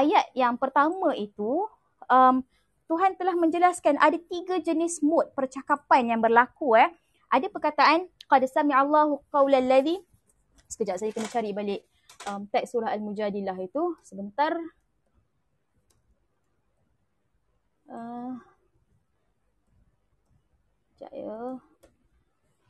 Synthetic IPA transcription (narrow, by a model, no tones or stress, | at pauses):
ʔajat̪̚jaŋpərt̪amãʔit̪u | əm | t̪uɦant̪əlahmə̃ɲd͡ʒəlaskanʔadat̪iɡad͡ʒənɪsmʊt̪̚pərt͡ʃakapanjaŋbərlakuah | ʔadapərkat̪aʔanqɑdsamiʕalːaɦuqawlalːaði | sə̥kəd͡ʒaʔsajakənat͡ʃaɾibalɪʔ | ʔəmt̪ak̚suɾaɦalmud͡ʒadilaɦit̪usəbənt̪ar | ə | əd͡ʒa̰ʔjə